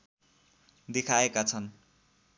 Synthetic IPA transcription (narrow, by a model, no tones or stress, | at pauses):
d̪ekʰaekat͡sʰʌn